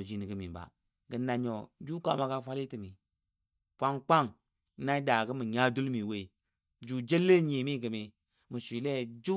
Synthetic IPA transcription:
d͡ʒi˦ni˨ɡɨ˨˦mi˨ba̰˨ | ɡə˨na˨ɲɔ˨d͡ʒu˦ka˨˦ma˨˦ka˦fa˦li˦tɨ˨mi˨ | kʷa˦ŋk͡pa˦ŋ | na˦da˨ɡə˦mɨ˨ɲa˦du˦lmi˨we˦˨ | d͡ʒu˨d͡ʒe˦lːe˦ɲi˨mi˦˨ɡɨ˨mi˨ | mɨ˨sʷi˨lɛ˦˨d͡ʒu˦

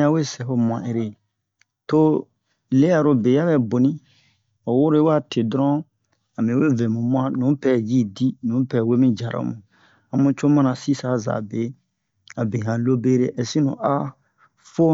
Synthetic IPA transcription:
ã˦we˦sɛ˨ho˧m˨ã̰˨ʔe˨ɾe˨ | to˦ | le˦ja˨ɾo˨˧be˨ja˦bɛ˨bo˨nĩ˦ | o˨wo˦ɾo˦wa˦˨tʰe˨dɔ˦ɾɔ̃˦ | a˨mẽ˨we˦vɛ̃˨mũ˨mwã˦nũ˨˦pɛ˦ji˦di˦nũ˨˦pɛ˨we˦mĩ˦d͡ʒa˨ɾo̰˨˦mũ˨ | a˨mũ˦t͡ʃo˦mã˦nã˨si˦sa˨˦za̰˨be˨˦ | a˨be˨ɦã˨lo˦be˦ɾe˦ʔɛ˨sĩ˦nṵ̃˨ʔa˦ | fo˦

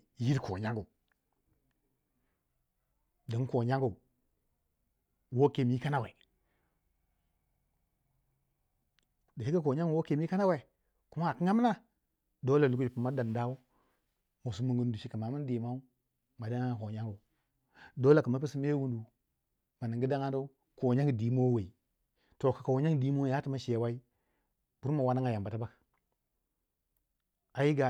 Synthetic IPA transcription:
ji˦ɾko̰˨ɲa˦ŋɡu˨ | də˨˦ŋ˦ko˨ɲa˦ŋɡu˨ | wo˦ke˨m˨˦ka˦na˦wḛ˨ | da˨i˦a˦k̬o˨ɲa˦ɡwo˦ke˨m˦i˦ka˦na˦we˨ | ku˦ma˦a˨ki˦ŋa˦m˦na˦ | do˦la˨lu˦ku˦d͡ʒi˨pu˨ma˦da˨n˨da˦wu˦ | mu˨su˨mu˨ŋɡu˨n˦du˨ʃi˦ka˨ma˨mu˦n˦di˨ma˦u˦ | ma˨da˦ŋa˦˨ko˨ɲa˦ŋɡo˨ | do˦la˨kə˨ma˦pi˦si˦me˦wu˦ndu˨ | ma˨ni˨ŋɡi˦da˦ŋa˦do˦u˦ | ko˨ɲa˦ŋɡdi˨˦mo˦we˨i˨ | to˨ka˨ka˨wo˨˦ɲa˦ŋ˨di˦mo˦a˦ti˨ma˦ʃe˨wa˦i˦ | b̥u˦ma˨wa˦na˦ŋa˨ja˨mba˨ta˦ba˦k | a˨ji˦ɡa˨

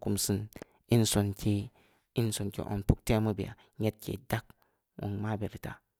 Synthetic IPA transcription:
ku˨msi˦n | i˦nso˨nke˦ | i˦nso˨nkḛ˨ʔo̰˨npu˦k̚te˦mu˦bḭ˨a̰˨ | ɲe˦t̚kḛ˨da˦k̚ | wṵ˨ŋma˦be˨ɾi˨ta̰˨

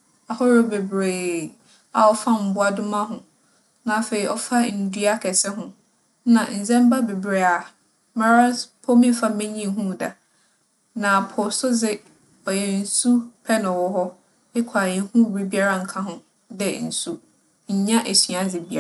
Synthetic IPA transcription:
a˨hɔ˦ɾʊ˦be˨bɾeː˨ | a˨ɔ˦fa˦m̩˨bʊ˦a˦dʊ˦mã˦ɦʊ̃˨ | nã˨fe˨ɾi˨ʔɔ˦fa˦n̩˨du˦a˦kʰɛ˨sɛ˦ɦʊ̃˦ | nã̰˨n̩˨zɛ̃˦m̩˦ba˦be˨bɾe˨a˨ | mã˨ɾa˦pʰɔ˦mĩ˦fa˦mɛ̃˦ɲĩ˦ɦũ˦˨da˨ | nã˨pʰɔ˨sʊ˦d͡zɪ˦ | ɔ˨jɛ˨n̩˨su˦pʰɛ˦nʊ̃˨wɔ˦ɦɔ˦ | ɪ˦kʷʰa˨jɛ˨˦hũ˦˨bi˦bi˦a˦ɾa˦ŋ̩˨kʰã˦ɦʊ̃˦ | dɛ̰˦n̩˨su˦ | ɲ̩˦ɲã˦ʔe˨sɥã˦d͡zɪ˨bi˦a˦˨

